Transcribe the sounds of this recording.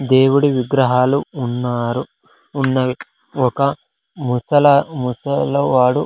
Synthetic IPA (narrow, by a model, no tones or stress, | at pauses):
d̪e̞ːwuɽiʋiɡɾɐɦaːluːnːaːɾuː | nːɐ | ɔkɐ | musɐlɐmusɐloʋaːɽu